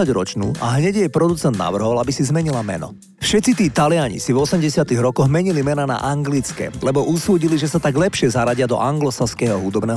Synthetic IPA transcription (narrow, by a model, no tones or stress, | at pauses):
aɟɾɔt͡ʃnṵːʔa̰ɦɲɛɟjɛjpɾɔd̪ut͡sɛnd̪na̰ʋr̩ɦɔʋalabisizmɛɲilamɛ̰nɔ̰ | fʃɛt̪t͡sit̪iːt̪alɪaɲḭsivɔsɛmɟɛsɪat̪iɣɾɔkɔɣmɛɲilimɛnana̰ʔaŋɡlit͡skɛ̰lɛbɔʔusuːɟiliʒɛsat̪aɡlɛpʃɪɛzaɾaɟɪad̪ɔ̰ʔaŋɡlɔsaskɛːɦɔɦud̪ɔbnɛː